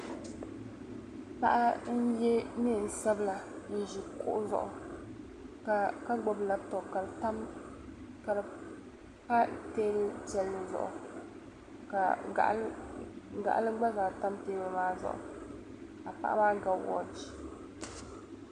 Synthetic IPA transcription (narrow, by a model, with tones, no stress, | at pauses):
pa˦ʔa˦n̩˦jɛ˦mi˦˨n̩˨sa˦bla˨n̩˦ʒi˨kʊ̰˦ʔʊ˦zɔ̰˦ʔʊ˨ | ka˦ɡ͡bɔ˨bla˨tɔ˨bka˨ɾta˦m | ka˨ɾ | ka˦teː˦lɨ˦d͡ʒɛ˦lːɨ˨zɔ̰˦ʔʊ̰˨ | ka˨ | ɡa̰˨ʔa˦lɨ˦ɡ͡ba˦zaː˨ta˦mteː˦bɨ˦maː˦zɔ̰˦ʔʊ̰˨ | a˨pa̰˦ʔa̰˦maː˦ɡa˨˦wɔ̰˨˦d͡ʒi˦